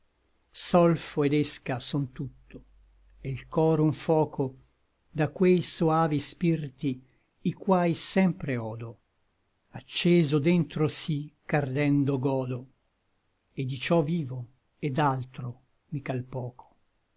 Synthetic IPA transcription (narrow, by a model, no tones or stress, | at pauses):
sɔlfoed̪eskasɔnt̪ut̪ːo | elkɔːɾouɱfɔːko | d̪akwejsoaːvispirt̪i | ikwaːjsɛmpɾeɔːd̪o | at͡ʃːeːzod̪ɛnt̪ɾosikard̪ɛnd̪oɡɔːd̪o | ed̪it͡ʃɔviːvo | ed̪alt̪ɾo | mikalpɔːkʰo̥